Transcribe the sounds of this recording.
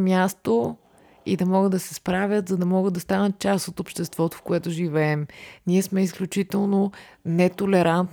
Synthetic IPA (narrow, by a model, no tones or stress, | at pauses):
mʲjast̪o | ḭd̪ɐmɔɡəd̪ɐsɛspɾavʲjət̪zɐd̪ɐmɔɡəd̪ɐst̪anət̪̚t͡ʃast̪ot̪opʃt̪ɛst̪vɔt̪o̥fkoɛt̪ʊʒivɛɛmniɛsmɛisklʲut͡ʃit̪ɛlˠnonɛt̪olɛɾant̪